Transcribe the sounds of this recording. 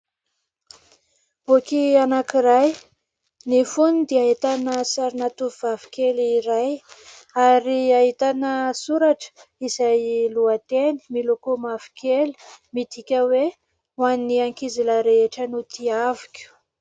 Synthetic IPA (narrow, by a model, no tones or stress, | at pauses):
okianakiɾaj | nifunid̪eait̪anəsaɾinat̪uvvavi̥kʲeliɾaj | aɾiaɦit̪anəsuɾaʈ͡ʂə̥izajluat̪eni̥milokomavi̥kʲʰeli̥mit̪ikʲəwe | waniaŋkiziləɾeeʈ͡ʂənut̪iavikʲu̥